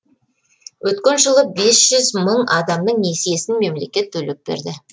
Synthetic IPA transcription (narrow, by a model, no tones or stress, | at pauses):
wʔɵt̪kʲenʒəlˠəbesʒ̥ʏzməɴɑd̪ɑmnəɴne̞sije̞sɪnme̞mle̞kʲe̞t̪ʰːɵlep̚b̥ḛɾd̪ɪ